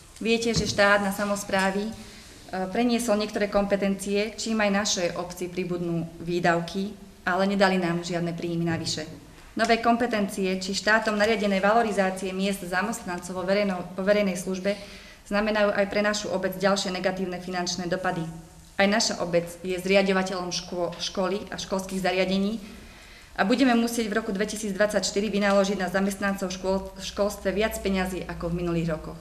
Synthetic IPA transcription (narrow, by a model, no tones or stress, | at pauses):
ʋɪɛcɛʒɛʃt̪aːd̪nasamɔspɾaːʋi | pɾɛɲɪɛsɔlɲɪɛkt̪ɔɾɛːkɔmpɛt̪ɛnt͡siɛt͡ʃiːmajnaʃɛjʔɔpt͡siːpɾibud̪nuːʋiːd̪aʊkʰi | alɛɲɛd̪alinaːmʒɪad̪nɛpɾiːminaʋiʃɛ | nɔʋɛːkɔmpɛt̪ɛnt͡siɛt͡ʃiʃt̪aːt̪ɔmnaɾɪaɟɛnɛːʋalɔɾizaːt͡siɛmɪɛzd̪zamɛst̪nant͡sɔʊʋɔʋɛɾɛjnɛjsluʒbɛ | z̥namɛnajuːʔajpɾɛnaʃuʔɔbɛd͡zɟalʃɪɛnɛɡat̪iːʊnɛfinant͡ʃnɛːd̪ɔpad̪i | ʔajnaʃaʔɔbɛd͡zjɛzɾɪaɟɔʋacɛʎɔmʃkɔliʔa̰ʃkɔlskiːɣzaɾɪaɟɛɲiː | ʔabuɟɛmɛmusɪɛɟvɾɔkud̪ʋɛcisiːd͡zd̪ʋat͡sːacʃt̪iɾiʋinalɔʒiɟnazamɛst̪nant͡sɔʊʃkɔlst̪ʋɛʋɪat͡spɛɲaziːʔakɔvminuliːɣɾɔkɔx